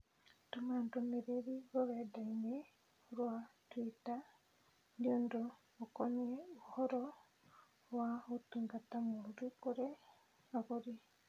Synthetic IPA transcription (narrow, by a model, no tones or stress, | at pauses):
tomantomeɾeɾiɡoβɛdaine | ɾwatwita | ndiondoː | koɲieohɔɾɔ | waotuŋɡatamoɾukoɾe | aɣoɾi